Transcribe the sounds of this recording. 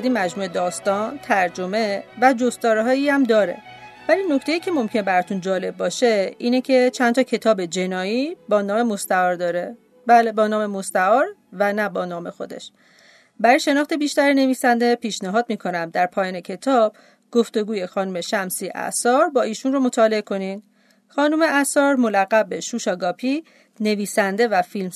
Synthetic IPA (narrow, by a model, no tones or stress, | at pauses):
d̪iːmːæd͡ʒmuːe̞d̪ɒːst̪ɒːnt̪ʰæɾd͡ʒo̞me̞væd͡ʒo̞st̪ɒːɾeɦɒːjiæmd̪ɒːɾe̞̰ | vælino̞kʰt̪e̞jiːcʰe̞mo̞mcʰenebæɾɒːt̪ʰund͡ʒɒːle̞b̚ːɒːʃe̞iːnecʰe̞t͡ʃʰænt̪ʰɒːcʰe̞t̪ʰɒːbe̞d͡ʒe̞nɒːiːbɒːnɒːme̞most̪æɒːɾd̪ɒːɾe̞ | bælebɒːnɒːme̞mo̞st̪æɒːɾvænæbɒːnɒːme̞xo̞d̪e̞̰ʃ | bæɾɒjeʃe̞nɒːxt̪e̞biːʃt̪æɾene̞viːsænd̪e̞pʰiːʃnæɦɒːd̪̚miːkʰo̞næmd̪æɾpʰɒːjiːne̞cʰe̞t̪ʰɒːb̥̚ | ɡ̥oft̪o̞ɡuːje̞xɒːnume̞ʃæmsiːʔæ̰sɒːɾbɒːʔiːʃunromo̞t̪ʰɒːle̞ekʰo̞nin | xɒːnumeʔæsɒːɾmo̞læɣːæbeʃuːʃɒːɡɒːpʰiː | ne̞viːsænd̪e̞væfiːlm